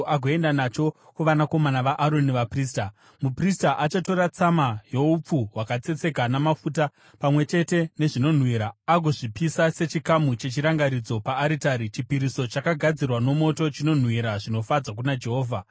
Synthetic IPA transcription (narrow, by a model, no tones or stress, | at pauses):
ʔaɡʱoe̞ndanat͡ʃo̞ | kuʋanako̞manaʋaʔaɾo̞niʋapriːs̬ta | mupristaʔat͡ʃato̞ɾat͡samajo̞up͡fuwakat͡se̞t͡se̞kanamafuta | pamwe̞t͡ʃe̞te̞ne̞ʐino̞n̤wiːɾaaɡʱo̞ʐipisase̞t͡ʃikamut͡ʃe̞t͡ʃiɾaŋɡaɾid͡zo̞paːɾitaɾit͡ʃipiɾiso̞t͡ʃakaɡʱad͡zirwano̞mo̞to̞t͡ʃino̞n̤wiɾaʐino̞fad͡zak̬unad͡ʒe̞ɦo̞ːvʱa